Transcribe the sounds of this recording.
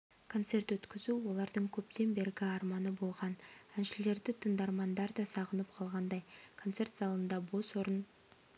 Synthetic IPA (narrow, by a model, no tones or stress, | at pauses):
kʰo̞nt̪se̞rt̪wɵt̪kʲɪzuwo̞lˠɑɾd̪əɴkʲʰɵpt̪e̞nbe̞ɾɡʲɪɑɾmɑnəbo̞lˠʁɑnænʃɪle̞ɾd̪ɪt̪ʰəɴd̪ɑɾmɑnd̪ɑɾd̪ɑsɑʁənəpqʰɑlˠʁɑnd̪ɑjkʰo̞nt̪se̞rt̪z̥ɑlˠənd̪ɑbo̞soɾən